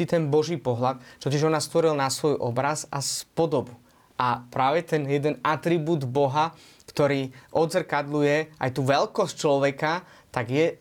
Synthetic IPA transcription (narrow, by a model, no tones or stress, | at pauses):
it̪ɛnbɔʒiːpɔɦlat̪̚t͡ʃɔcɛʒɔnast̪ʋɔɾilnasʋɔjʔɔ̰bɾazaspɔd̪ɔbu | ʔapɾaːʋɛt̪ɛnjɛd̪ɛnat̪ɾibuːd̪bɔɦa | kt̪ɔɾiːʔɔd̪zrkad̪lujɛʔa̰jt̪uːʋɛlkɔsct͡ʃlɔʋɛka | t̪aɡjɛ